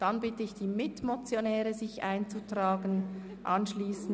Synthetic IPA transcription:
d̥anbɪtəɪçd̥iːmɪtmot͡sjonɛːʁəzɪçʔaɪnt͡sutʁaːɡən | ʔanʃliːsn̩

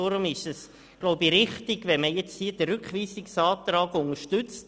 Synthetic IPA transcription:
oɾʊmɪʃɛs | ɡ̥loʊbiɾɪχt̪ɪɡ̥ʋɛnməjɛt͡shiːədəɾʉkχʋiːsɪksɑːt̪ɾɑːɡʊŋəʃtʉt͡st

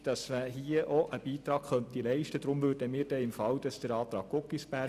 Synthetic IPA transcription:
d̥ɑsməɦiːəʔɔʔəb̥iːt̪ɾɑːɡ̥χœnt̪ilɛɪʃtəd̥ɾʊmʋʉːrdəmiːɾdɛɪmfɑwd̥ɑsd̥əɾɑːt̪ɾɑːkːʊkːisbæ

